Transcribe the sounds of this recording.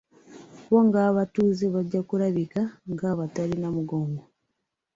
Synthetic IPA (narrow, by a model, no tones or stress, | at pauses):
βoŋɡaːβatuːzeβaɟːakuɾaβikaŋɡaβatalinamuɡoːmɡo